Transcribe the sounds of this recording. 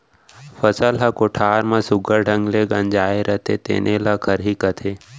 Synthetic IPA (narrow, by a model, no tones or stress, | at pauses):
fəsəlɦakoʈʰaːɾmãsʊɡʱəɾɖʱəŋɡleɡə̃nd͡ʒaːeɾət̪ʰet̪ḛːnʔelakʰəɾɦiːkət̪ʰeː